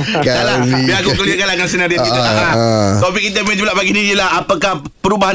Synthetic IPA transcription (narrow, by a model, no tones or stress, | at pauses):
kalabiakuuliakalakansenaɾiakiaat̪opikit̪̬əmɛ̃d͡ʒulaʔpaɡinĩijəlaɦapəkahpəɾubaɦa